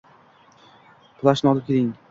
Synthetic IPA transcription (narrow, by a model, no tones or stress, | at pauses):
pʰlˠaʃnɒlɪp̚kʲʰeɾɪŋ